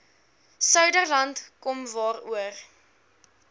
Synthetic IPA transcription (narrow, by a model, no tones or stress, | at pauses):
sœɥdərlɐntkɔmvɑːruər